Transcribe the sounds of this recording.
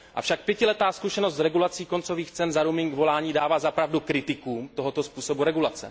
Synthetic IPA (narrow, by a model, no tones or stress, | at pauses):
ʔa̰fʃak̚pjɛcɪlɛt̪aːskuʃɛnost̪zɾɛɡulat͡siːko̞nt͡so̞viːxt͡sɛnzaɾumɪŋɡvo̞laːɲiːdaːvaːzapɾavdukɾɪt̪ɪkuːmt̪o̞ɦot̪o̞spuːso̞buɾɛɡulat͡sɛ̰